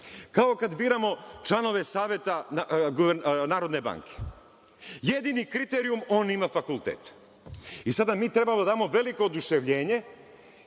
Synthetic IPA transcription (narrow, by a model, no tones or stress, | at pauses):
kaokad̪biːɾamo̞t͡ʃlˠano̞ʋe̞saːʋʲje̞t̪aɡoʋenaːɾo̞d̪ne̞ba̰ːŋkʰe̥ | jed̪inikɾit̪eɾiumo̞ːnimafakulˠt̪eːt̪ | isad̪amiːt̪ɾe̞bamod̪ad̪aːmo̞ʋe̞liko̞ːd̪uʃeʋʎe̞ːɲe̞